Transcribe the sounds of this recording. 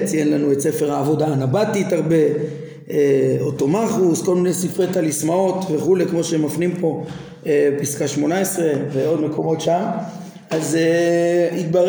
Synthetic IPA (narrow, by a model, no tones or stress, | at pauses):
t͡sijenlanuet͡sefe̞ʁaːvo̞daːnabatit̪haʁbe̞ | eotomaχusko̞lminejsifʁet̪alismao̞t̪veχulekmo̞ʃeemafnimpo̞ | episkaʃmo̞naesʁe̞veo̞d̪me̞ko̞mo̞tʃam | azeit̪baʁ